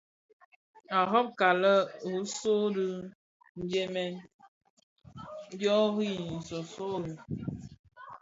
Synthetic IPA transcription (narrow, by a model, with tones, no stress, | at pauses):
a˨ɦɔ˦p̚ka˨lə˦u˨so˦dɨ˦ | n̩˦d͡ʒe˦mɛ˦n˦ | djɔ˦ɣi˦n̩˨sɔ˨so˦˨